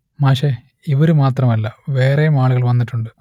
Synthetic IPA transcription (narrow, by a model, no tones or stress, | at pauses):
maːʂe | iʋɐɾumaːt̪rɐmɐlːɐʋeːrejumaːɭuɣɐɭʋɐnːiʈːuɳɖɨ